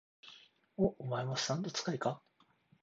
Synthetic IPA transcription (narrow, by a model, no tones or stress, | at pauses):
oomaimasãnt̪o̞t͡sɨ̥kaika